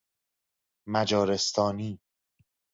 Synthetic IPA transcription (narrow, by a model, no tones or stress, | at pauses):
mæd͡ʒɒːɾe̞st̪ʰɒːniː